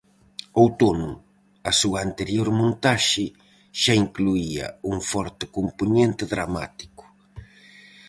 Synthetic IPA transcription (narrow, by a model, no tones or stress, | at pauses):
owt̪onʊ | asuant̪eɾjoɾmõnt̪aʃɪ | ʃaiŋkluiɐ̰uŋfɔɾt̪ɪkompuɲẽnt̪ɪðɾama̰t̪i̥kʊ̥